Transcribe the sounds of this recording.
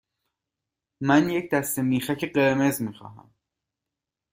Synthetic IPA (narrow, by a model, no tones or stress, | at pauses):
mænjecʰd̪æst̪e̞miːxæcʰe̞ɢe̞ɾme̞zmiːxɒ̰ːɦæ̰m